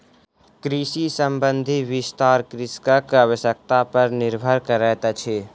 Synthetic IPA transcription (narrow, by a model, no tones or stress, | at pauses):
kɾiʃisəmbə̃nd̪ʱiʋɪst̪aːɾkɾɪskəkaʋəʃjək̚t̪apəɾnɪɾbʱəɾkəɾɛːt̪at͡ʃʰeː